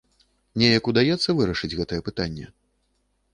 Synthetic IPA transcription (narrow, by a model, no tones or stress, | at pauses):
nʲɛjɐkud̪ajɛt̪sːɐvɨɾɐʂɨd͡zʲɣɛt̪ɐjɛpɨt̪anʲːɛ̰